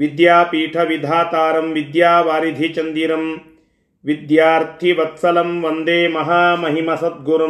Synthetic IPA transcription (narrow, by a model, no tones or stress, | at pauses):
ʋid̪jaːpiːʈʰɐʋid̪ʱaːt̪aːɾɐmʋid̪jaːʋaːɾid̪ʱit͡ʃɐnd̪iɾɐm | ʋid̪jaːɾt̪ʰiʋɐt̪sɐlɐmʋɐnd̪eːmɐɦaːmɐɦimɐsɐt̪̚ɡuɾɐ